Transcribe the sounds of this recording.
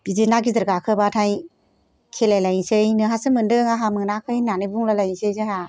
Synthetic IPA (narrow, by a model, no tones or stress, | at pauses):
b̥izenaɡizɯɾɡakʰɯbatʰaj | kʰelajlajnsejnɯɦasɯmɯndɯŋaɦamɯnakʰɯjnanɯbuŋlalajnsejzaɦa